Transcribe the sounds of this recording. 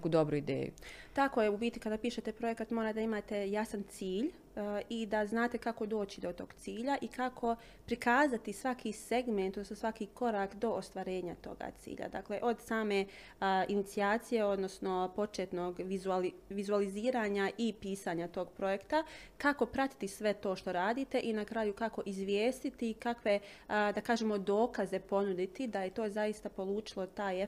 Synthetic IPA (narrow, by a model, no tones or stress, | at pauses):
nekuːd̪obɾuid̪ḛːjṵt̪ako̞je̞ubiːt̪ikad̪aːpiːʃe̞t̪e̞pɾo̞je̞kat̪mo̞ːɾad̪aimaːt̪e̞jasant̪siːʎ | id̪aznaːt̪e̞kako̞d̪o̞ːt͡ɕid̪o̞t̪o̞ːɡ̥t̪siːʎaʔikakʰo̞ | pɾikaːzat̪isʋakʰise̞ɡment̪od̪nosnosʋakiko̞ɾaːkd̪o̞ʔost̪ʋaɾe̞ːɲat̪o̞̰ɡa̰t̪sḭːʎa̰d̪a̰ːkle̞ʔo̞d̪saːme̞ | ʔinit̪siaːt̪sije̞o̞d̪no̞sno̞po̞t͡ʃet̪no̞ːɡʋizualiʋizualiziːɾaːɲaʔipiːsaːɲat̪o̞ːɡpɾo̞je̞kt̪akako̞pɾat̪i̥t̪isʋe̞t̪o̞ːʃt̪o̞ɾaːd̪iːt̪e̞ʔinakɾaːjukako̞ʔizʋjeːst̪it̪ikakʋe̞d̪akaːʒeːmo̞d̪o̞ːkaze̞po̞nud̪it̪id̪aje̞t̪o̞ːzaist̪apo̞lˠuːt͡ʃilˠo̞t̪aːje